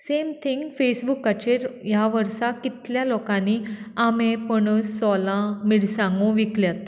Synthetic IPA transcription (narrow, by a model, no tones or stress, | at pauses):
semt̪ʰiŋɡfesbukːat͡ɕeɾjaʋəɾsakit̪ljalɔkãniːamepəɳsɔlãmiɽsãŋɡũʋikljat̪̚